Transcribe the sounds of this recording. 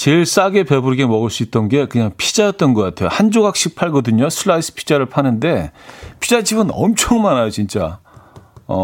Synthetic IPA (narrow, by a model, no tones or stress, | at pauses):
t͡ɕeɭs͈aɡe̞pe̞buɾiɡe̞mʌɡɯɭs͈uit̚t͈ʌnɡe̞kɯɲaŋpʰid͡ʑajʌt̚t͈ʌnɡʌk͈atʰe̞johand͡ʑoɡak̚ɕ͈ik̚pʰaɭɡʌdɯɲosʰɯɭːais͈ʰɯ̥pʰi̥d͡ʑaɾɯɭpʰanɯnde̞pʰid͡ʑad͡ʑibɯnʌmt͡ɕʰʌŋmanajot͡ɕint͡ɕ͈a | ʌ̰